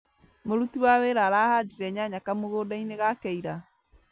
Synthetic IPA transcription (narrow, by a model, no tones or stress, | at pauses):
moɾutiwaweːɾaɾaːhadiɾɛɲaɲakamoɣoːdaineɣakɛiɾa